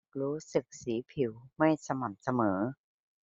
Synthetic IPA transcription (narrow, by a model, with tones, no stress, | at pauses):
ɾuː˦˥sɯ˨˩k̚siː˩˦pʰi˩˦wma˥˩jsa˧ma˨˩m̚sa˧mɤː˩˦